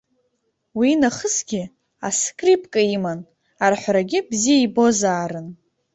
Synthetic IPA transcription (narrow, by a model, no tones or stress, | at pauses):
winaχəsɡʲɪ | a̰skʼripʼkʼaiman | arħʷɾaɡʲɪbzijaibo̞zaːɾɨn